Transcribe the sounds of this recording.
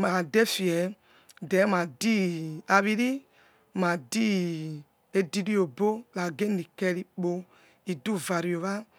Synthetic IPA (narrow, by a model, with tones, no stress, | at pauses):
ma˨dɛ˦fi˨ɛ˨ | dɛ˨˦ma˨di˦a˨βi˦ɾi˦ | ma˨di˦ | e˦di˦ɾi˦o˨bo˦la˨ɡe˦ni˨kɛ˦ɾi˨k͡po˦ | i˨du˦˨va˨ɾi˨o˨βa˦